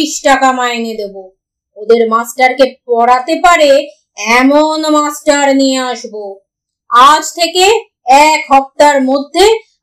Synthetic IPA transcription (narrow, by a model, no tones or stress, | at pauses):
iʃʈakamaened̪ebo | od̪eɾmasʈaɾkepɔɽat̪epaɾe | ɛmonmasʈaɾnijeaʃbo | ad͡ʑt̪ʰeke | ɛkɦɔp̚t̪aɾmod̪ʱːe